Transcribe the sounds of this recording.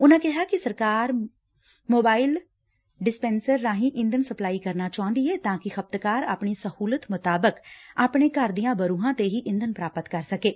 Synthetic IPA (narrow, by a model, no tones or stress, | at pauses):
ʊnãːkɪɦaːkɪsəɾkaːɾ | moːbaːɪl | ɖɪspɛːnsəɾːãːɦĩːʔɪ̃nd̪ənsəplaːiːkəɾnaːt͡ʃaːõnd̪iːɦɛːt̪ãːkɪxəp̚t̪kaːɾa̰ːpɳiːsəhuːlət̪mʊt̪aːbəkaːpɳeːkəɾd̪ijãːbəɾuːɦãːt̪eːɦiːʔɪ̃nd̪ənpɾaːpət̪kəɾsəkeː